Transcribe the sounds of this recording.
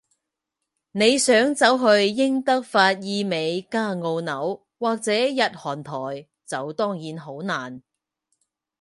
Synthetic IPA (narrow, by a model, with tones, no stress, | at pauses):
ne˨˧jsœː˨˥ŋt͡sɐ˨˥wɦɵ˧ɥːɪ˥ŋt̪ɐ˥k̚faː˧t̚jiː˧me˨˧jkaː˥ŋo˧wnɐ˨˥w | waː˨k̚t͡sɛː˨˥jɐ˨t̚hɔː˨˩nt̪ʰɔː˨˩j | t͡sɐ˨wt̪ɔː˥ŋjiː˨˥nɦo˨˥wnaː˨˩n